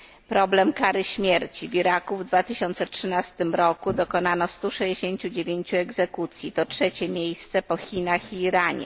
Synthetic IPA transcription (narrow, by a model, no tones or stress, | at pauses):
pɾɔblɛmkaɾɘɕmʲjeɾt͡ɕivʲiɾakuvd̪vat̪ɘɕɔnt̪sɛtʂɘnast̪ɘmɾɔkud̪ɔkɔnanɔst̪uʂɛd͡ʑeɕeɲt͡ɕud͡ʑevʲjeɲt͡ɕuɛɡzɛkut̪sʲjit̪ɔtʂɛt͡ɕɛmʲjejst̪sɛpɔxʲinaxiːɾaɲɛ̰